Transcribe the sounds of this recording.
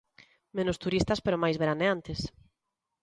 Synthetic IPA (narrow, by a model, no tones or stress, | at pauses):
mẽnʊst̪uɾist̪ɐspeɾʊmajzβeɾaneant̪es